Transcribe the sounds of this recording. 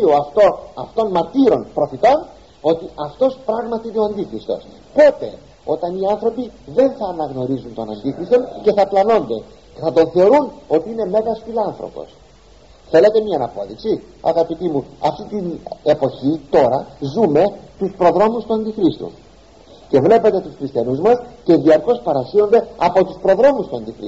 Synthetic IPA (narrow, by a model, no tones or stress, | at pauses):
ioɐft̪oɐft̪o̞nmɐɾt̪iɾo̞npɾo̞fit̪o̞n | o̞t̪iʔɐft̪o̞spɾɐɣmɐt̪iineo̞ɐnd̪ixɾist̪o̞̰s | po̞t̪e̞̰ | o̞t̪ɐniɐnθɾo̞piðe̞nθɐːnɐɣno̞ɾizunt̪o̞nɐnd̪ixɾist̪o̞nce̞θɐplɐno̞nd̪e̞ | ceθɐt̪o̞nθe̞o̞ɾuno̞t̪iine̞me̞ɣɐsfilɐnθɾo̞̰po̞̰s | θe̞le̞t̪e̞miɐnɐpo̞ðiksiɐ̰ɣɐpit̪imuɐft̪it̪inepo̞çit̪o̞ɾɐzume̞t̪uspɾo̞ðɾo̞must̪uɐnd̪ixɾist̪ṵ | ce̞vle̞pet̪e̞t̪usxɾist̪çɐnuzmɐsce̞ðiɐɾko̞spɐɾɐsino̞nd̪e̞ɐpo̞t̪uspɾo̞ðɾo̞must̪uɐnd̪ixɾḭ